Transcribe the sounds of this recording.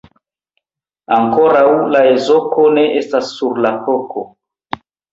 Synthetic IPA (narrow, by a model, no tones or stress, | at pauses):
aŋko̞ɾawlae̞zo̞ko̞ne̞ʔe̞stasːuɾlakokʰo̞